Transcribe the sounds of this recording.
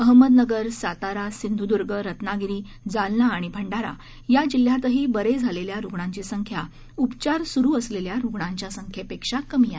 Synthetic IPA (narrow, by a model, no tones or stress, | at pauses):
əɦməd̪nəɡəɾsat̪aɾasind̪ʱud̪uɾɡəɾət̪naɡiɾiː | d͡zalnaːɽ̃ibʱəɳɖaɾa̰ | jad͡ʑil̤jat̪əɦiːbəɾed͡zʱaleljaɾuɡɳãɲt͡ɕiːsəŋkʰja | upt͡ɕaɾsuɾuːəsleljaɾuɡɳaɲt͡ɕjasəŋkʰjepekʂakəmija